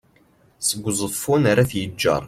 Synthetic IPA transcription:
səɡʷːzˤəfunaɾaθjəd͡ʒːɑ̰ɾˤ

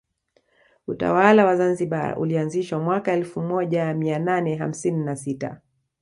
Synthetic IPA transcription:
uta̰walawazanziɓa̰ṵlianziʃwamwakaɛlfumɔʄamiananɛɦam̩sininasita̰

